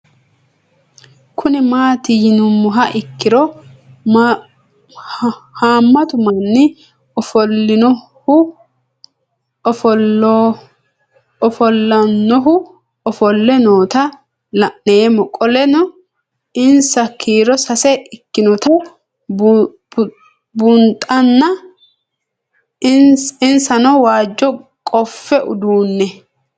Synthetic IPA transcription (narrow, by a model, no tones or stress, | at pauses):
kʰʊnɪmaːt̪ɪjɪnʊmːʊɦɐʔɪkːɪɾɔ | haːmːɐt̪ʊmɐnːɪ | ɔfɔlːɪnɔ | hʊ | ɔfɔ | ɔfɔlːɐnːɔɦʊ | ɔfɔlːɛnoːt̪ɐ | lɐʔːemɔkʼːɔlɛnɔ | ɪnsɐkʰiːɾɔsɐsɛʔɪkːɪnɔt̪ɐ | bʊnt̪ʼɐnːɐ | ɪnɪnsɐnɔwaːd͡ʒːɔkʼɔfːɛʔʊ̰d̪uːnːɛ